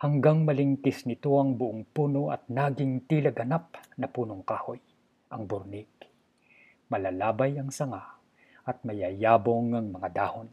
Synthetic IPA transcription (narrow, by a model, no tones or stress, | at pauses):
hɐŋɡaŋmɐlɪŋkɪsnɪt̪oɐŋbʊʔoŋpunoʔɐ̰t̪̚naːɡɪŋt̪ilɐɡɐnap̚nɐpuːnoŋkaːhoj | ʔɐŋbʊɾnɪɡ | mɐlalaːbajɐŋsɐŋa | ʔɐt̪̚mɐjajaːboŋɐŋmɐŋad̪aːhon